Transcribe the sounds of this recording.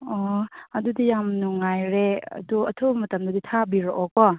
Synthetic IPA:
ɔɐdudijamnuŋajɾeɐ̰duɐtʰobɐmɐtɐmdɐditʰabiɾɔʔɔk̚pɔ

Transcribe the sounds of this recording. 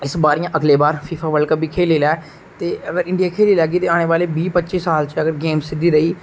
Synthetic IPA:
ɪsbaːɾiːãːʔəɡleːbaːɾpʰiːpʰaːʋəlkəbʱiːkʰeːleːlaː | t̪eːəɡəɾɪ̃ɳɖijaːkʰeːliːlɛːɡiːt̪eːaːɽ̃eːʋaːleːbiːpətːt͡ʃiːsaːlt͡ʃəɡəɾɡeːmsɪd̪iːɾəiː

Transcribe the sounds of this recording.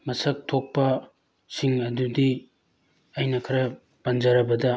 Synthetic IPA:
mɐsɐk̚tʰok̚pɐ | siŋɐdudi | ɐjnɐkʰɐɾɐ | pɐnd͡ʒɐɾɐbɐdɐ

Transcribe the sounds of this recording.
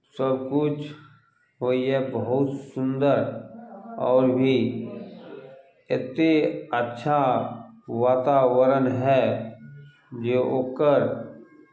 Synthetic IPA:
səbkʊt͡ʃʰ | ɦoiɦɛbəɦʊt̪sʊ̃nd̪əɾ | ɔ̰ːɾbʱi | ɪt̪eətːʃʰa | ʋaːt̪aʋəɾənɦɛ | d͡ʒoʔoːkəɾ

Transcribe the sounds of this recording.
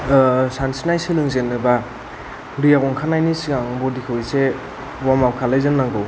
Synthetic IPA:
sansinajsilɯŋzenːɯba | ɾijaɡɔŋkʰanajnisiɡaŋbɔdikʰɯwise | wamawkʰalɯjzɯnnaŋɡɯw

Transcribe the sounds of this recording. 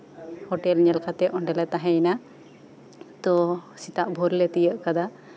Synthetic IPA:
hɔʈɛlɲɛlkʰat̪ɛʔɔɳɖɛlɛt̪aɦɛjna | t̪ɔsit̪aʔbʱɔɾlɛt̪ijəʔkad̪a

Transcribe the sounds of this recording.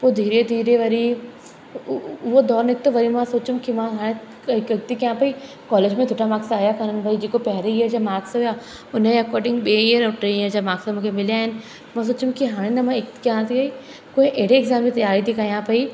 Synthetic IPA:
poːd̪ʱiːɾed̪ʱiːɾeʋɐɾi | ʊɦod̪ɔːɾnɪk̚t̪oʋɐɾimãsoːt͡ʃũmkimãɦaːɽ̃e | kɪk̚t̪ikãpɐi | kɔːleːd͡ʒmẽd̪ʰʱʊːʈʰamaːksaaːjakɐɾənbʱɐid͡ʒeːkopɛɦɾeiəɾd͡ʑamaːksɦʊja | ʊnẽɐkɔːɾɖɪ̃ŋɡɓeːijəɾʈɾeijəɾd͡ʑamaːksamũːkʰemɪlijaːɦɪn | mãs̬oːt͡ʃʊ̃mkiɦaːɽ̃enɐmãɪk̚t̪i̥kjãt̪ʰiɐi | koːĩʔeɦɽeɪɡzaːmːẽt̪ɐjaːɾit̪ʰikɐjãpɐi

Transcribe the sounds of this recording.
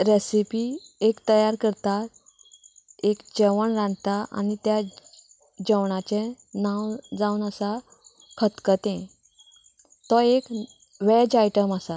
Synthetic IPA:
ɾesipi | ekt̪əjaɾkəɾt̪aɾ | ekd͡ʑəʋəɳɾãnd̪t̪aʔa̰nit̪ja | d͡ʑəwɳat͡ɕẽ | nãwd͡zaunəsa | kʰət̪kət̪ẽ | t̪ɔek | ʋɛd͡ʑajʈəmasa

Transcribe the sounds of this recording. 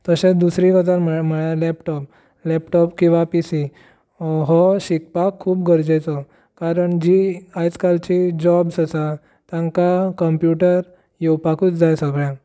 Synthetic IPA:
t̪əsẽt͡sd̪usɾĩʋəd͡zaɾməɭjalɛpʈɔp̚ | lɛpʈɔpkĩw̃ʋapisi | ɦɔɕikpakʰːuːpɡəɾd͡ʑat͡sɔ | kaɾəɳd͡ʑiajt͡skalt͡ɕid͡ʑɔbsasa | t̪jãŋkakəmpjuʈəɾ | jewpakuːt͡sd͡zajsəɡɭjã

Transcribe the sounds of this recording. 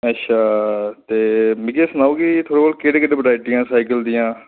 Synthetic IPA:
ətːʃʰaːt̪eːmɪkeːsənaːuːɡiːt̪ʰoːɽeːkoːlkeːɽeːkəɖẽbəɖaːɪʈɪjãːsaːɪkəld̪ɪjãː

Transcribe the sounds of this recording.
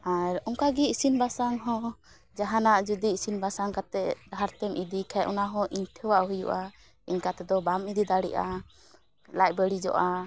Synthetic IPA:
aɾɔŋkaɡiisinbasaŋɦɔ̃ | d͡ʒaɦanaʔd͡ʒud̪iːsinbasaŋkat̪ɛdɦaɾt̪ɛmʔid̪ikʰaʔɔnaɦɔ̃ʔiɲʈʰɛwaʔɦujṵʔa | iɲkat̪ɛd̪ɔbamid̪id̪aɽɛ̰ʔa | lac̚bəɽid͡ʒɔ̰ʔa

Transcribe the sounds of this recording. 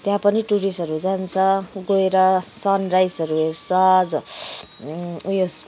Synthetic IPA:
t̪jãpʌniʈuɾisʌɾud͡zant͡sʰʌɡoeɾʌsʌnrajsʌɾuɦesʌd͡z | ujos

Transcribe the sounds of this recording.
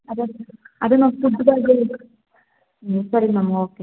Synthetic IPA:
ɐd̪eɐd̪enasud̪ːɐd̪aːɡe | sɐɾinɐmoːkːe

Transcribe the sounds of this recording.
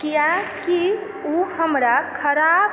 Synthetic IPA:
kijaki | uhəmɾakʰəɾab

